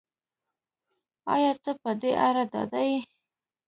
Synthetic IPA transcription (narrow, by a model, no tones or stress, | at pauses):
ɑ̰jɑt̪əpəd̪eʔaɾad̪ɑ̰d̪aj